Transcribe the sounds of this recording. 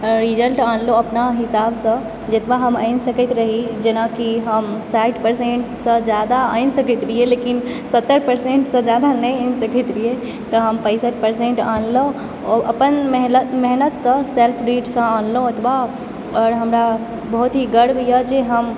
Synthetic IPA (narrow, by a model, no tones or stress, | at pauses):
ɾid͡ʒəlʈanloəpnaɦisaːbsə̃ | d͡ʒet̪baɦəma̰ɪnsəkɛt̪ɾəɦid͡ʒenakiɦəmsaɪʈpəɾsẽɳʈsə̃d͡ʒjad̪aaɪnsəkɛt̪ɾielekin | sət̪ːəɾpəɾsẽɳʈsə̃d͡ʒjad̪anəjansəkɛt̪ɾie | t̪ɔɦəmpə̃ɪsəʈ̚pəɾsẽɳʈanlo | ɔʔə̰pənmɛɦlət̪mɛɦnət̪sə̃selpʰɾiʈsə̃anloət̪ʰba | ɔːɾɦəmɾa | bəɦut̪ɦiɡəɽbʱijəd͡ʒeɦəm